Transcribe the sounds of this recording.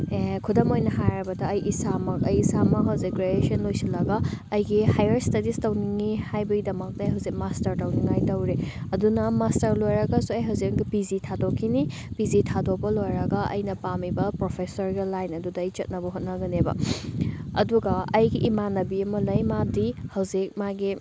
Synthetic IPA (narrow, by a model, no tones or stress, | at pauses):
ekʰudɐmojnɐɦajɾɐbɐdɐɐjʔisamɐk̚ɐjisamɐɦɐwzik̚ɾeesiɐnlojsɐlːɐɡɐːjɡihajɐɾstɐdistɐwniŋihajbɐɡidɐmɐk̚tɐɐjɦɐwzik̚mastɐɾtɐwniŋajtɐwɾeɐdunɐmastɐɾlojɾɐɡɐsuɐjɦɐwzik̚ɡipizitʰadokʰːini | pizitʰadok̚pɐlojɾɐɡɐɐ̰jnɐpamibɐpɾopʰesɐɾɡilːajnɐdudɐːjt͡ʃɐt̚nɐbɐɦot̚nɐɡɐnebɐ̰ | ɐ̰duɡɐɐjɡiʔimanːɐbiɐmɐlɐjmadihɐwzik̚maɡi